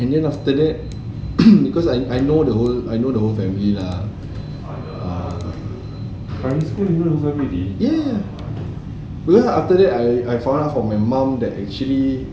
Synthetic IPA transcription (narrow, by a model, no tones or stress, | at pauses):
ɛ̃ndɛ̃naftədɛt̚ | bikɔsajʔajnodəɦolajnodəɦolfɛ̃milila | a | kãnĩskulĩnũovəmidijɛ | bikɔsaftədɛtajajfãw̃ndatfɔ̃majmãmdɛtɛk̚t͡ʃuəli